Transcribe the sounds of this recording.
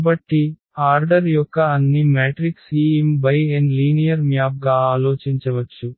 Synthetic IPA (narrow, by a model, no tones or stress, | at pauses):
bɐʈːi | aːɾɖɐɾjɔkːɐɐnːimeːʈɾiksiːimbɐjenliːnijɐɾmjaːp̚ɡaːaːloːt͡ʃiɲt͡ʃɐʋɐt͡ʃːu